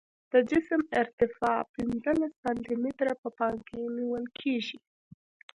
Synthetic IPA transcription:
d̪̥əd͡ʒɪsəmɪɾt̪ɪfɑpɪnzəlaspant̪imɪt̪ɾapəpɑŋkeniwəlkʰeʒi

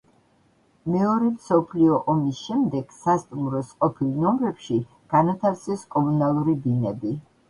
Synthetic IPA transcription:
mɛɔɾɛmsɔpʰliɔʔɔmisʃɛmd̪ɛɡ̥sast̪ʼumɾɔsqʼɔpʰilˠnɔmɾɛpʃi | ɡ̥anat̪ʰaɾt̪sɛskʼɔmunalˠuɾibinɛbi

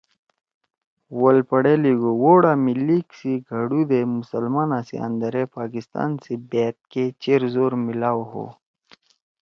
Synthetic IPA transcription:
wɐlpɐɽeliɡowoːɽaːmiliksiɡʱɐɽud̪emusəlmaːnãːsḭə̰̃nd̪ɐɾepaːkist̪a̰ːnsebeːt̪̚ket͡ɕeɾzoːɾmilaːwɦo̰ː

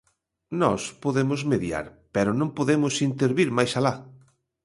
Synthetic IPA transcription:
nɔ̰spoðemʊzmeðja̰ɾpɛɾʊnõŋpoðemʊsint̪eɾβiɾmajsala

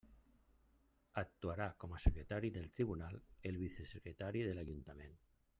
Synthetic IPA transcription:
ak̚t̪uaɾakomasekɾet̪aɾiðelt̪ɾiβunalelβiθesekɾet̪aɾiðelaʎunt̪amẽn

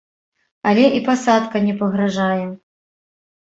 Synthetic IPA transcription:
alʲɛʔipasat̪kɐnʲɛpɐɣɾaʐajɛ

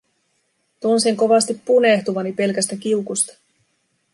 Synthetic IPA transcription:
t̪unsiŋko̞ʋɑst̪ipːune̞ht̪uʋɑnipe̞lkæst̪æk̟iukust̪ɑ̥

